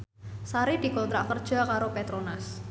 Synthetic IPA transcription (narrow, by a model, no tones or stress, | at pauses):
saɾid̪̥i̤kɔnt̪ɾaʔkərd̥ʒ̥a̤kaɾopet̪ɾonas